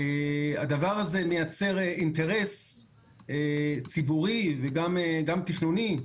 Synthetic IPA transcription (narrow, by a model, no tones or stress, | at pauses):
ead̪avaʁazemejat͡se̞ʁeint̪e̞ʁe̞s | et͡sibuʁiveɡameɡamt̪iχnuni